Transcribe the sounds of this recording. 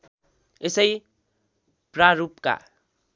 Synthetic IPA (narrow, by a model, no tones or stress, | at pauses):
esʌj | praɾupka̰